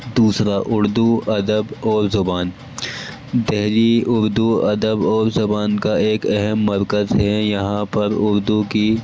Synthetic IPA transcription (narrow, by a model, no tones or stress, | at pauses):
d̪uːsɾaʔʊɾd̪uɐd̪əbɔːɾzɐbaːn | d̪ɛɦliʊɾd̪uɐd̪əbɔːɾzɐbaːnkaeːkɛɦɛmːɐɾkəzɦɛjɐɦãpɐɾʊɾd̪uki